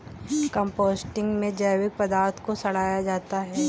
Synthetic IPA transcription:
kə̃mpoːsʈɪ̃ŋɡmẽd͡ʒaːwɪk̚pɐd̪aːɾt̪ʰkosɐɽ̤aːjad͡ʒaːt̪aɦɛɛː

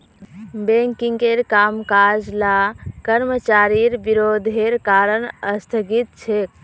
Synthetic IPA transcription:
beŋkiŋkeɾkamkad͡ʒlakəɾmət͡ʃaɾiɾbiɾod̪ʱeɾkaɾənəst̪ʰəɡit̪̚t͡ʃʰek̚

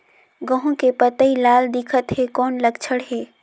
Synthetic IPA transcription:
ɡəɦũkepət̪əilaːld̪ɪkʰət̪ɦekɔːnləɡt͡ʃʰəɽɦeː

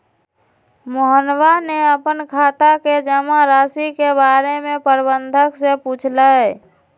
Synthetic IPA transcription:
moɦənwaneəpənkʰaːt̪aked͡ʒəmaɾaːsikebaːɾemẽpəɾbənd̪ʱəksepuːt͡ʃʰlaɛ

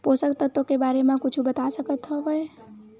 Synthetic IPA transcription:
posəkt̪ət̪ːokebaɾemãkut͡ʃʰubət̪asəkət̪ɦɔʋəj

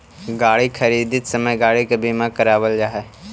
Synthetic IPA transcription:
ɡaːɽikʰɐɾiːd̪ɪt̪səməjɡaːɽikebiːmãkəɾaːʋəld͡ʒaːɦɛː

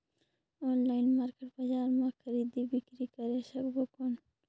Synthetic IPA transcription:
onlajnmaɾkeʈpad͡ʒaːɾmakʰɐɾid̪ibikɾikaɾeʃɐkbokon

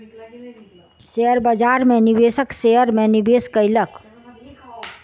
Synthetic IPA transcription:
seəɾbəd͡ʒaɾmenibesəkseəɾmenibeskəɪlək

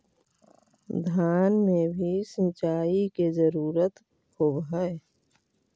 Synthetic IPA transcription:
d̪ʱjaːnmẽbʱisə̃nt͡ʃaːikezəɾuːɾət̪ | hobɦəe

